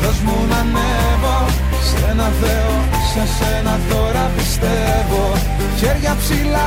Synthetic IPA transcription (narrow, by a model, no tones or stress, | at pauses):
ðɐzmunɐne | vo | s | enɐθeo | sesenɐθo̞ɾɐpist̪evo̞ | çeɾʝɐpsilɐ